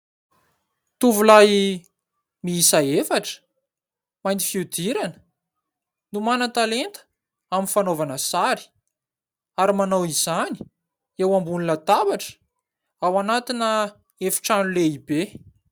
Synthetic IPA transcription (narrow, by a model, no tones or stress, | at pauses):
t̪uvulaj | miisaefaʈ͡ʂə̥ | majnifiud̪iɾanə̥ | numanət̪alent̪ə̥ | aminfanovanəsaɾi̥ | aɾimanawizani̥ | ewambunilət̪abaʈ͡ʂə̥ | awanat̪inə | efi̥ʈ͡ʂanuleibe